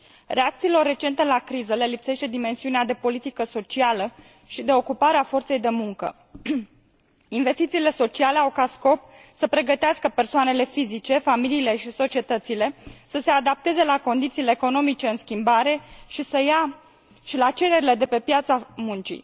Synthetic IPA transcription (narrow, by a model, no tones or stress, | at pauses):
re̞ak̚t̪siːlo̞rːe̞t͡ʃent̪e̞lakɾizəle̞lipse̞ʃt̪e̞d̪ime̞nsiunead̪e̞po̞lit̪ikəso̞t͡ʃialə | ʃid̪e̞o̞kupaɾeafo̞rt̪se̞jd̪e̞muŋkə̰ | inve̞st̪it̪siːle̞so̞t͡ʃiale̞awkat̪sko̞psəpɾe̞ɡət̪easkəpe̞rsoane̞le̞fizit͡ʃe̞familiːle̞ʃiso̞t͡ʃie̞t̪ət̪sile̞səse̞ad̪ap̚t̪e̞ze̞lako̞nd̪it̪siːleːko̞no̞mit͡ʃe̞ɨnskʲimbaɾe̞ʃisəja | ʃilat͡ʃe̞ɾe̞ɾile̞d̪e̞pe̞pjat̪samunt͡ʃḭ